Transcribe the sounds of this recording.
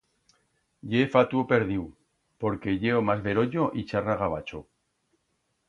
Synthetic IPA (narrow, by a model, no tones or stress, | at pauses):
ɟ͡ʝefat̪uope̞ɾðiw | po̞ɾke̞ʎe̞omazβe̞ɾo̞ʎoʔit͡ʃaraɣaβ̞a̰t͡ʃo